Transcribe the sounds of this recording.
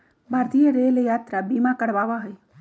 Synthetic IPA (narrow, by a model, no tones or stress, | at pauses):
bʱaːɾt̪ijeɾelejaːt̪ɾabimakəɽʋaːʋaɦəj